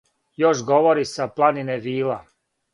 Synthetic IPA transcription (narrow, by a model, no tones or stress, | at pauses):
joʃɡo̞ʋoɾisaplˠanineʋiːla